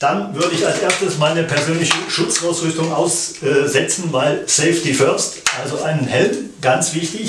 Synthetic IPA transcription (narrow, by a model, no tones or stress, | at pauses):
d̥anvʏɐdəɪçalsʔeːɐstəsmaɪnəpʰɛɐzøːnlɪçəʃʊt͡saʊsʁʏstʊŋʔaʊszɛt͡sn̩vaɪlsɛɪftifœɐstʔalzoʔaɪnənhɛlmɡ̥ant͡sv̥ɪçtɪç